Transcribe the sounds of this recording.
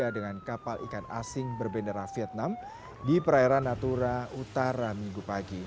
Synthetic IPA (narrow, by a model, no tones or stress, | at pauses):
adəŋankapalʔḭkana̰sɪŋbərbendəɾafiɛt̪̚nam | dipəɾaɛɾanːat̪uɾaut̪aɾamiŋɡupaɡi